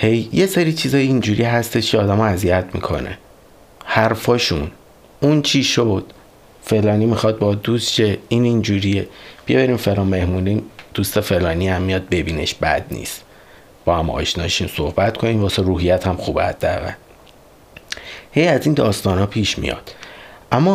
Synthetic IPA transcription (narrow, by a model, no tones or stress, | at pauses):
he̞jːe̞seɾiːt͡ʃʰiːzɒːjeind͡ʒuːɾiɦæst̪e̞ʃcʰeɒːd̪æmɒæzijæt̪ʰmḭkʰo̞̰nʔḛ | hæɾfɒːʃun | unt͡ʃʰiːʃod̪̥ | fe̞lɒːniːmixɒd̪̚bɒd̪usʃeiːnind͡ʒuːɾijeb̥ieβæɾiːmfe̞lɒːnme̞hmuniːmd̪̥uːst̪efe̞lɒːniæmːijɒd̪̚be̞biːne̞̰ʃbæ̰d̪nḭːst̪ | b̥ɒːhæmɒ̰ːʃnɒːjeʃunsohbæt̪kʰo̞niːvɒːseɾuːɦijæt̪ʰhæmxuːbehæ̰d̪̥ːææ̰ɣæ̰l | hejæziːnd̪ɒːst̪ɒːnɒːpʰiːʃmḭjɒ̰d̪̥ʔæmːɒ